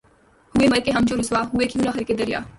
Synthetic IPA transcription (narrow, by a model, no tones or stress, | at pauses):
huemɐɾkeɦɐmt͡ʃoɾʊsʋaɦuekʰijunaxɐɾked̪ɐɾija̰ː